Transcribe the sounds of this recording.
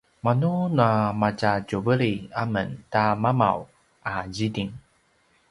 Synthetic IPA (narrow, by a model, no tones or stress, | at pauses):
manunamat͡ɕacovəɾiaməntamama̰w | ʔad͡ʑidiŋ